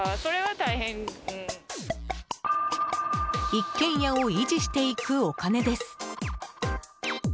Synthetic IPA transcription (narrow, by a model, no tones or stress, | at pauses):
so̞ɾe̞βat̪aihẽŋɯ̟̃ | ikːẽ̞ɰ̃jao̞id͡ʑiɕi̥t̪e̞ikɯ̟o̞kane̞d̪e̞sɨ̥